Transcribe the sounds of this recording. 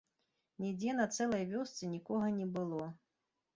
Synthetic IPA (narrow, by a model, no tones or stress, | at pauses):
nʲid͡zʲɛnɐt̪sɛlˠɐjvʲɔst̪sɨnʲikɔɣɐnʲɛbɨlˠɔ